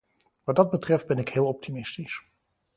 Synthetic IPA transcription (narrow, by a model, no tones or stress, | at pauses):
ʋɑd̚ɑd̚bətrɛfd̚bɛnɪkɦɪːlˠɔp̚timɪstis